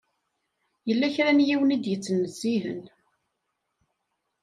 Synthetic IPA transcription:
jəlːæçɾænjiwənid̪jət͡sːənːəz̥ːiɦə̰n

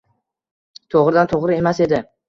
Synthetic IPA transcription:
t̪ʰoʁɾɪd̪ant̪ʰoʁɾɪe̞mase̞d̪ɪ

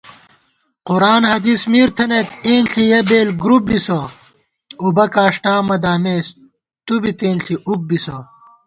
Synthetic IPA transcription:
quɾaːnhɐd̪ismiːɾt̪ʰɐnet̪eːnɬijɐbeːlɡɾup̚bisɐ | ubɐkaːʂʈaːmɐd̪aːmeːs | t̪ubit̪eːnɬiʔup̚bisɐ

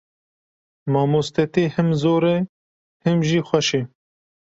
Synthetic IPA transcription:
maːmuːst̪ɛt̪eːhɪmzoːɾɛ | hɪmʒiːxʷɐʃeː

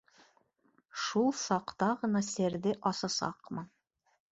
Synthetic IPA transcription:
ʃulˠsɑqt̪ɑʁɤ̆nɑsɘ̆ɾðɘʔɑsɑsɑ̰qmɤn

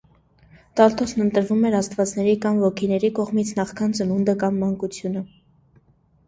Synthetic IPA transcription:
t̪ɑlt̪ɔsnənt̪əɾvumɛɾɑst̪vɑt͡snɛɾikɑmvɔkʰinɛɾikɔʁmit͡sʰnɑχkʰɑnt͡sənund̪əkɑmːɑŋkut͡sʰjunə

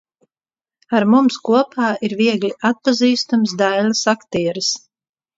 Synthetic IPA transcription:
aɾmumskuɔpʰaːʔiɾviɛɡlʲiat̪̚paziːst̪amsd̪ajlasakt̪iɛɾɨs

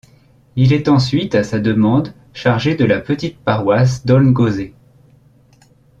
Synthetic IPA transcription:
ilɛt̪ɑ̃sɥit̪asad̪əmɑ̃d̪ | ʃaʁʒed̪əlapət̪it̪̚paʁwas̬d̪ɔnɡoze

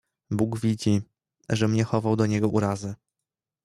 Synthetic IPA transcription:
buɡvʲid͡ʑi | ʐɛmɲɛxɔvawd̪ɔɲɛɡɔʔuɾazɘ

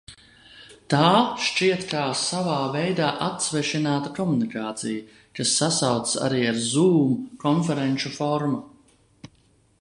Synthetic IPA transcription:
t̪aːʃt͡ʃiɛt̪kaːsavaːvɛjd̪aːʔat̪svɛʃinaːt̪akɔmunikaːt̪sija | kasːasawt̪ssa̰ɾiːaɾzuːmkɔnfɛɾɛnʲʃufɔɾma

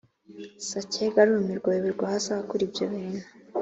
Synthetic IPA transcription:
saceɡaɾumiɾɡojeβiɾɡʷahasaβakuɾibjoβinḁ

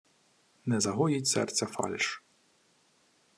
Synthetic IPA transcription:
nɛzɐɦɔjitʲsɛ̰rt̪sʲɐfɑ̰lʲʃ

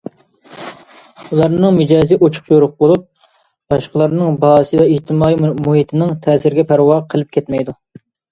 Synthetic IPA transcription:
ulˠɑɾnɨŋmɪd͡ʒɑːziʔot͡ʃʰʊ̥qjoɾʊq̚bolˠup̚ | b̥ɑʃqəlˠɑɾnɨŋbɑːsɨvɛiht̪ʰɪmɑːimuɦit̪ʰɪnɪŋt̪ʰɛːsɪɾɡʲɛpʰæɾwɑqʰəlˠɨp̚kʲʰɛt̪mɛjd̪u

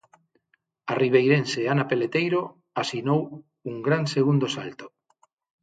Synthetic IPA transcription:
ariβ̞ejɾenseanapelet̪ejɾo | asinow | uŋɡɾanseɣund̪osalt̪o̥

